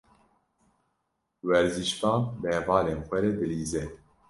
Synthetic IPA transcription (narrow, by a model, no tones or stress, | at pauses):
wɛɾziʃpɑːbɛvɑːleːnxʷɛɾɛd̪ɨliːzɛ